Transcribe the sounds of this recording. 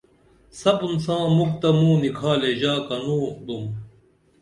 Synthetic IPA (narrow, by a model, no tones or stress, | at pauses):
sɐpunsãːmuk̚t̪ɐmũːnikʰaːleʑaːkɐnuːd̪um